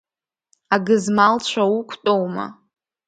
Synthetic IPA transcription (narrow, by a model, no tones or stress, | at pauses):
aɡɨzmalt͡ɕʷʰaukʷʰtʼowma̰